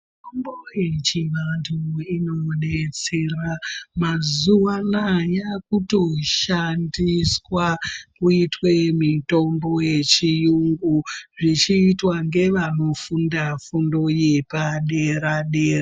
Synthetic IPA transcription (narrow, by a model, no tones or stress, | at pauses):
tombojet͡ʃiʋantʰuino̞ne̞t͡se̞ramazuʋanajakuto̞ʃandiswakuitwe̞mito̞mbo̞je̞t͡ʃijuŋɡuʐit͡ʃiːtwaŋɡe̞ʋano̞fundafundo̞je̞paɗe̞ɾaɗeːa